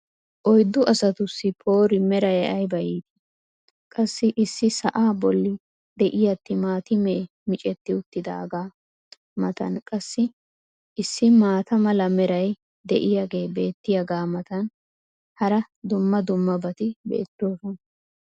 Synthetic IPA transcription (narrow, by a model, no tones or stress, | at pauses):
ʔɔjd̪ːʊʔɐsɐt̪ʊsːɪpʰo̞ːɾɪmɛɾɐjɐjbɐjiːt̪ɪ̥ | kʼɐsːɪʔɪsːɪsɐʔaːbɔlːɪ | d̪ɛʔɪjɐt̪ːɪmaːt̪ɪmeː | mɪt͡ʃʼɛt̪ːɪʊt̪ːɪd̪a̰ːɡaː | mɐt̪ɐ̰nkʼɐsːɪ | ʔɪsːɪmaːt̪ɐmɐlɐmɛɾɐj | d̪ɛʔɪjaɡe̞ːbe̞ːt̪ːɪjɐɡaːmɐt̪ɐn | hɐɾɐ | d̪ʊmːɐd̪ʊmːɐbɐt̪ɪbḛːt̪ːo̞ːsɔn